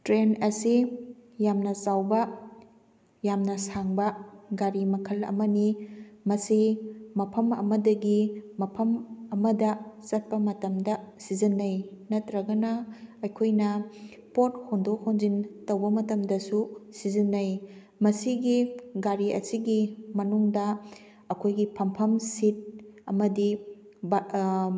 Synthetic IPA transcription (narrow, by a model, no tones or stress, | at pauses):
tɾenɐsijamnɐsawbɐ | jamnɐsaŋbɐɡaɾimɐkʰɐlɐ̰mɐnimɐsimɐpʰɐmɐ̰mɐdɐɡimɐpʰɐmɐmɐdɐsɐt̚pɐmɐtɐmdɐsizinːɐjnɐtɾɐɡɐnɐɐjkʰojnɐ | pot̚hondokhonzintɐwbɐmɐtɐmdɐsusizinːɐj | mɐsiɡiɡaɾiʔɐ̰siɡimɐnuŋdɐ | ɐkʰojɡipʰɐmpʰɐmsit̚ɐmɐdi | b